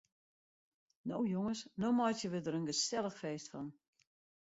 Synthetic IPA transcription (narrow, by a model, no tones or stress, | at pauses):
no̰wjoŋəsnomɔjtjəʋədəɾənɡəsɛlˠəxfeːstfɔn